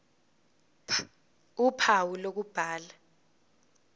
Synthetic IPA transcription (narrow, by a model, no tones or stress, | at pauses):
upʰawulok̬ub̥ʱaːla